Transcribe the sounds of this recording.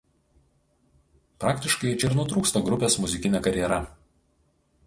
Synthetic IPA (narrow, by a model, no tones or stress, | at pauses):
pɾɑːkt̪ʲɪʃkɐɪt͡ʃʲɛɪɾnʊt̪ɾuːkst̪ɐɡɾʊpʲeːsmʊzʲɪkʲɪnʲɛkɐɾʲjɛɾɐ